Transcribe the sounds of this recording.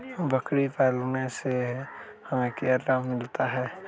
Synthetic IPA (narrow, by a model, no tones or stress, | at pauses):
bəkɽipɛːlnesehəmekiaɾɾammɪlt̪aɦɛː